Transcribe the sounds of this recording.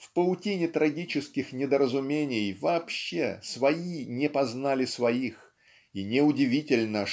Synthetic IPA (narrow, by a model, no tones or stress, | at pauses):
fpəlˠʊtʲinʲɪt̪ɾɐɡʲit͡ɕɪskʲɪxnʲɪd̪əɾəzʊmʲenʲɪjvɐːpɕːḛsvɐinʲɪpɐznalʲɪsvɐix | inʲɪʊdʲɪvʲitʲɪlʲnə